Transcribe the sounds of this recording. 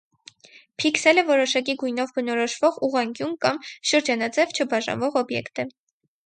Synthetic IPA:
pʰiksɛlɛvɔɾɔʃɑk̬iɡujnɔvbənɔɾɔʃvɔʁuʁɑŋɡjunkɑmʃəɾd͡ʒɑnɑd͡zɛvt͡ʃʰəbɑʒɑ̰nvɔʁɔbjɛ̰kt̪ə

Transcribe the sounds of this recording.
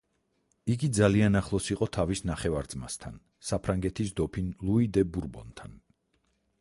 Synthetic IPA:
iɡid̪zalianaχlˠɔsiqʼɔt̪ʰavisnaχɛvaɾd̪zma̰st̪ʰa̰n | sapʰɾaŋɡɛt̪ʰisd̪ɔpʰinlˠuid̪ɛbuɾbɔ̰nt̪ʰan

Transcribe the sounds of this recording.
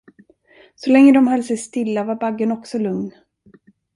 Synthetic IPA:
sɔlɛŋːəd̪ɔmhœlːsɛjst̪ɪlːavaɾbaɡːənɔksɔlɵŋn

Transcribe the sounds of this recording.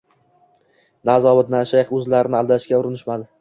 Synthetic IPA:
nazɒbɪd̪naʃajχɵzlaɾɪnɪalˠd̪aʃkʲaʊɾɪnɪʃmad̪ɪ

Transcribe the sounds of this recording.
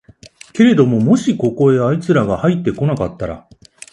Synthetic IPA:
ke̞ɾe̞d̪o̞mo̞mo̞ɕiko̞ko̞e̞ait͡sɨɾaɡahait̪ːe̞ko̞nakat̪ːaɾa̰

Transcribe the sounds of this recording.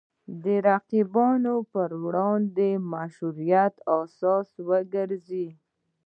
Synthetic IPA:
d̪əɾaqibɑnopəɾwɽɑnd̪emaʃuɾijat̪ɑsɑswəɡəɾzi

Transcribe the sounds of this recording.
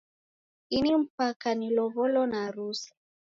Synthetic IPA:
inim̩pakanilɔβɔlɔnaɾusḁ

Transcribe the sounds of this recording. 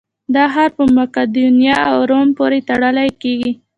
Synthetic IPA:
d̪ɑɦaɾpəmakad̪unjɑawɾompoɾet̪aɽəlajkeɡi

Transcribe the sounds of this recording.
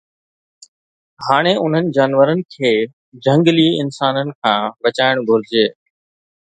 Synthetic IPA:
haːɽ̃eʔʊn̤ənɪ̆d͡ʑaːnʋəɾənɪ̆kʰeː | d͡ʑʱə̃ŋɡliɪnsaːnənɪ̆kʰãːʋɐt͡ɕaːɪɽ̃ɡʱʊɾɪd͡ʑeː

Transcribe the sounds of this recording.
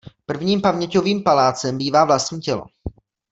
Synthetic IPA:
pr̩vɲiːmpamɲɛcoviːmpalaːt͡sɛmbiːvaːvlast̪ɲiːcɛlo̰

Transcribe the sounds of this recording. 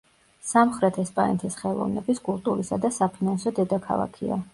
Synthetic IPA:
samχɾɛt̪ʰɛspʼa̰ɛ̰nt̪ʰisχɛlˠɔ̰vnɛbiskʼulˠt̪ʼuɾisad̪asapʰinansɔd̪ɛd̪akʰa̰lˠa̰kʰia̰

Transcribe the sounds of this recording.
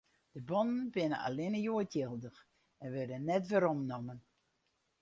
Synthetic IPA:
d̥əbɔnənbɪnə̰a̰lɪnəjuətjɪlˠdəx | ɛnʋørdənːɛtʋəɾɔmnɔmən

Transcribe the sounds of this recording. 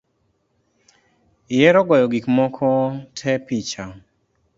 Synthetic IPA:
ɪjɛɾɔɡɔjɔɡikmɔkʰɔtʰɛpit͡ʃa

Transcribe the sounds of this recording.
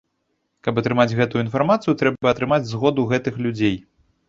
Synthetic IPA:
kɐpɐt̪ɾɨmad͡zʲɣɛt̪ujujinfarmat̪sɨjut̪ɾɛbɐɐt̪ɾɨmad͡zʲzɣɔd̪uɣɛt̪ɨxlʲud͡zʲej

